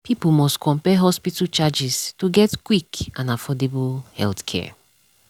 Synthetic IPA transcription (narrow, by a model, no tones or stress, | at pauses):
pʰipl̩mɔstkʰɔ̃mpɛɦɔspitalt͡ʃad͡ʒistuɡɛtkwikãnafɔdebulhɛ̰lθkʰɛ̰